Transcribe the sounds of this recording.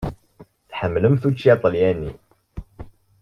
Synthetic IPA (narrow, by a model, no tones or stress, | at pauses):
θħəmːləmθut͡ʃːit̪ˤəljænːḭ